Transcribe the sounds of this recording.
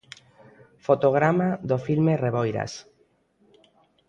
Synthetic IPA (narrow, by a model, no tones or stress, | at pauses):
fot̪oɣ̞ɾamaðofilmereβojɾa̰s